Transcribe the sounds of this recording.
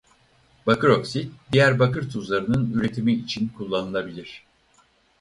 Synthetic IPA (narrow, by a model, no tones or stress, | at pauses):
b̥akɯɾo̞ksit̪̚d̪ijæɾbakɯɾt̪ʰuzlˠaɾɯnɯnyɾe̞t̪ʰimiːt͡ʃʰinkʰulˠːanɯlˠabilʲiɾ̝̥